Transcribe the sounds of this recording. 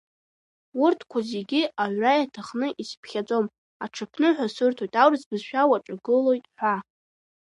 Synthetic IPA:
urtʰkʷʰazeɡʲiaʕʷrajatʰaχnɨʔispʰχʲad͡zʼo̞m | aʈ͡ʂʰɨpʰnɨħʷᶣasɨrtʰo̞jtʼawrɨzbɨzʃᶣawaʈ͡ʂʼaɡɨlo̞jtʼħʷa

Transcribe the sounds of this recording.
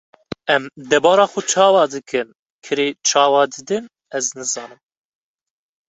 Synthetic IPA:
ɛmd̪ɛbɑːɾɑːxʊt͡ʃʰɑːwɑːd̪ɨkɨn | kʰɨɾeːt͡ʃʰɑːwɑːd̪ɨd̪ɨn | ɛznɨzɑːnɨm

